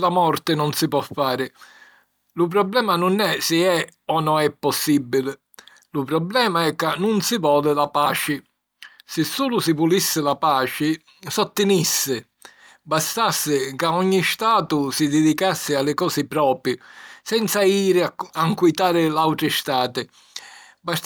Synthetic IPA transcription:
lamɔɾt̪ɪnʊnsɪpɔfːaːɾɪ | lʊpɾɔblɛːmanʊnɛsɪɛɔnɔɛpːɔsːibːilɪ | lʊpɾɔblɛːmaɛkːanːʊnsɪvɔːlɪlapaːt͡ʃɪ | sɪsːuːlʊsɪpulisːɪlapaːt͡ʃɪ | sɔt̪ːɪnisːɪ | bast̪asːɪkaɔɲːist̪aːt̪ʊsɪd̪ɪd̪ikasːɪalːɪkɔːsɪpɾɔːpɾɪsɛnt̪saiːɾɪaaŋkwit̪aːɾɪlawt̪ɾɪst̪aːt̪ɪ | ba

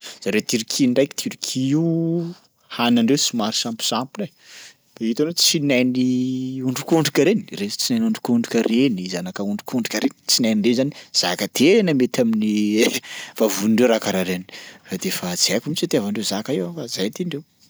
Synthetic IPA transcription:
z̥aɾet̪iɾikʰiɳɖ͡ʐajkit̪ʰiɾikʰii | hanaɳɖ͡ʐewsimaɾi̥sampi̥sampule | fait̪anot͡sinajniuɳɖ͡ʐukuɳɖ͡ʐukʲəɾeniret͡sinajnuɳɖ͡ʐukuɳɖ͡ʐukʲarenizanakəuɳɖ͡ʐukuɳɖ͡ʐukʲaɾent͡sinajniɖ͡ʐezaniz̥akət̪enəmet̪amini | v̥avuniɳɖ͡ʐeɾakaɾaɾeni̥fad̪efat͡siakumit͡ʃat̪iavaɳɖ͡ʐezakaewafazajt̪iɳɖ͡ʐew

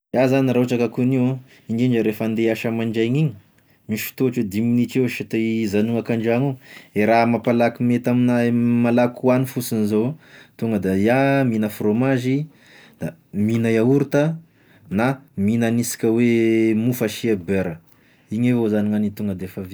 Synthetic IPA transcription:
jazaniɾauʈ͡ʂakakuniwa | iŋɡeɳd͡ʒəɾefand̪eaʃəmaɳd͡ʒaɲiɲi̥ | miʃfi̥t̪oaʈ͡ʂed̪iminit͡ʃewʃit̪ezanuakaɳd͡ʒaŋueɾamapalakimet̪aminamalakuanifusinizot̪uŋɡəd̪ajaminəfromaʒi | d̪̥aminajauɾut̪ə | naminanisi̥kʲəwemufaʃiabøɾə | iɲevozaniŋanit̪uŋɡəd̪efavi

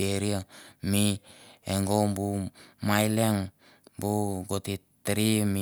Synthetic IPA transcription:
eɾiamieŋɡombumajleŋ | buɡoti | tɾimi

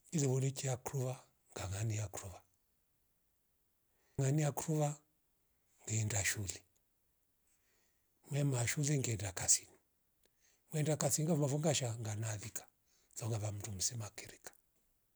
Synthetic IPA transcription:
iliβɔnikiakɾuβa | ŋɡaŋanijakɾuβa | ŋanijakɾuβa | ŋɡɛndaʃuli | mwɛmaʃuliŋɡɛndakasini | mwɛndakasiniŋɡamafuŋɡaʃaŋɡanalikʰḁ | zɔŋɡaβam̩tum̩sɛmakɛɾɛkḁ

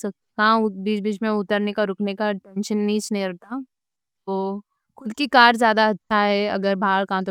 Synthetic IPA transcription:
sɐ | kãʊbiːt͡ʃbiːt͡ʃmẽʊt̪əɾnekaɾʊknekaʈɛ̃nʃənːiːt͡ʃnɐĩɾɐɦt̪a | t̪oː | xʊd̪kikaːɾzjaːd̪aɐtːʃʰaɦɛɐ̰ɡəɾbʱaːlkãt̪̬o

